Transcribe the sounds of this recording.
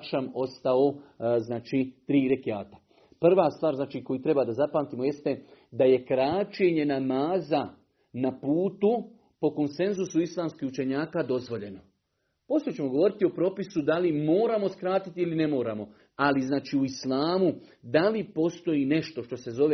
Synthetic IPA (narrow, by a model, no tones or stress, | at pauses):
ʃamo̞st̪aoznaːt͡ʃit̪ɾiːɾekiaːt̪ḁ | pr̩ʋaːst̪ʋaːɾznaːt͡ʃiːko̞jit̪ɾe̞bad̪azapaːnt̪iːmo̞je̞st̪e̞d̪aje̞kɾaːt͡ʃe̞ɲe̞namaːza | napuːt̪u | po̞ko̞nse̞nzusuislˠaːmskihut͡ʃe̞ɲaːkad̪o̞zʋo̞ʎe̞no̞ | posot͡ɕe̞mo̞ɡo̞ʋo̞ɾit̪io̞pɾo̞pisud̪alimo̞ːɾamo̞skɾaːt̪it̪iiline̞mo̞ːɾamo̞ | aliznaːt͡ʃiːuislˠaːmu | d̪alipo̞st̪o̞jine̞ʃt̪o̞ʃt̪o̞se̞zo̞ʋe